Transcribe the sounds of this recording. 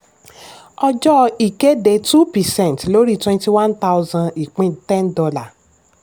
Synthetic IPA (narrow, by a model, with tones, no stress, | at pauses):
ɔ˦d͡ʒɔ˦˧i˨ke˦de˨˧tu˦pi˨sɛ̃˦˨ntlo˦ɾi˦twɛ̃˧nti˧wã˦nta˦zã˧i˨k͡pĩ˦tɛ̃˦ndɔ˧la˨